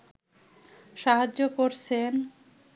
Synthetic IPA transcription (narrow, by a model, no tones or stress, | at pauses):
ʃaɦad͡ʑokoɾt͡ɕʰen